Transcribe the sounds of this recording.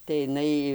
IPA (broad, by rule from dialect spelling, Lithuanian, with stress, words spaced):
tɐɪ ɪˈnɐɪ